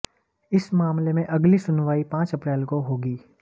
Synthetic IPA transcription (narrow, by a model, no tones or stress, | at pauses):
ɪsmaːmlemẽʔɐɡlisʊnʋaːipãːt͡ʃɐpɾɛːlkoɦoːɡiː